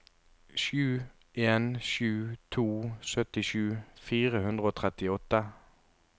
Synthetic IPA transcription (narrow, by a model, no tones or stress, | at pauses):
ʃʉː | ʔeːnʃʉːt̪ʰuːsœt̪ɪʃʉːfiːʁəhʉnd̪ʁəoːt̪ʰʁɛt̪ɪɔt̪ːə